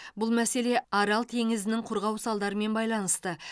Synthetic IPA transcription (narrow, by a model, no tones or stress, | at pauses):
bʊlˠmæse̞le̞ɑɾɑlˠt̪ʰe̞ŋɪzɪnɪŋqʰʊɾʁɑwsɑlˠd̪ɑɾəme̞nbɑjlˠɑnəst̪ə